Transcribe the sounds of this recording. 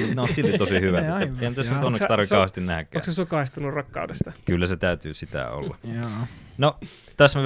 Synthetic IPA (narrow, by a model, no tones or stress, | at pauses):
nosilt̪itt̪otsihyʋæeːæehænt̪ːæsunonːekst̪ɑrʋikɑˑuhɑst̪innæhækːæoːksesokɑist̪ɑnurɑkːɑ̰udest̪ɑkylːæset̪æˑyt̪yːsit̪æ̰o̰lːɑ̰ | no | t̪æsme